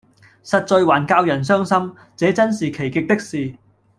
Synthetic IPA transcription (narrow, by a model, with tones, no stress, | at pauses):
sɐ˨t̚t͡sɵ˧jɥwaː˨˩nkaː˧wjɐ˨˩nsœː˥ŋsɐ˥m | t͡sɛː˨˥t͡sɐ˥nsiː˨kʰe˨˩jkɪ˨k̚t̪ɪ˥k̚siː˨